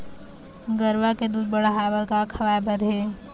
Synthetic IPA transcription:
ɡəɾʋaked̪uːd̪̚bəɽaɦaːbəɾkakʰɐʋaːbəɾɦeː

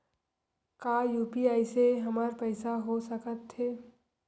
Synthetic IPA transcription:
kaːjuːpiaːiseɦɐmaːɾpɛɪsaɦosəkət̪ɦeː

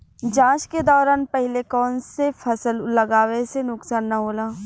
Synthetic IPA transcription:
d͡ʒãːʃked̪ɔːɾaːnpɛɦɪlekɔːnsefʰɐsəllɐɡaːʋesenʊksaːnːɐɦoːlaː

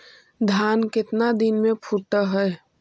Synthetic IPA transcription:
d̪ʱjaːnkɪt̪nad̪inmẽpʰuʈəɦɛ

